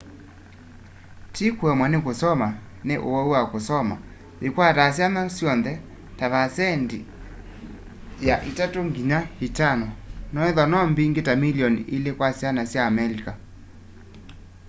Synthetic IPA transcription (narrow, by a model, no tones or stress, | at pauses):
tikwɛmwanekosɔma | neʔowɔuwakosɔma̰ | ekwatasjanasjɔnðɛ | taβasɛndi | jaʔitatoŋɡiɲahitanɔnɔeðɔnɔmbiŋɡetamiliɔnielekwasjanasjaːmɛɾika